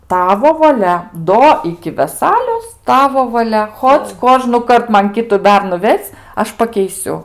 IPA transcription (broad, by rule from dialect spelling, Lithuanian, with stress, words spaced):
ˈtɑːʋoː ʋɐˈlʲɛ ˈdoː ɪkʲɪ ʋʲɛˈsɑːlʲoːs ˈtɑːʋoː ʋɐˈlʲɛ ˈxoːt͡s ˈkoːʒnʊkɐrt ˈmɐn ˈkʲɪtʊ ˈbʲɛrnʊ ˈʋʲɛsʲ ˈɐʃ pɐkʲɛɪˈsʲʊ